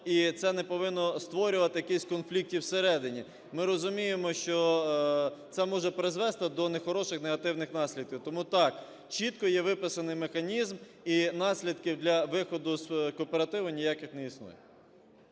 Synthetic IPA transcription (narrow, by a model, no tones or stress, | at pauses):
it̪sɛnɛpɔʋɪnːɔst̪ʋɔɾʲʊʋɐt̪ɪjɐkɪsʲkɔnflʲik̚tʲiwseɾɛd̪ɪnʲi | mɪɾɔzʊmʲijemɔʃt͡ʃɔ | t̪sɛmɔʒɛpɾɪzʋɛst̪ɪd̪ɔnexɔɾɔʃɪxneɦɐt̪ɪwnɪxnɑsʲlʲid̪̚kʲiwt̪ɔmut̪ɑk | t͡ʃit̪kɔjɛʋɪpɪsɐnɪjmexɐnʲizm | inɑsʲlʲid̪kʲiwd̪lʲɐʋɪxɔd̪ʊskɔːpeɾɐt̪ɪʋʊnʲijɑkɪxnɛisnṵjɛ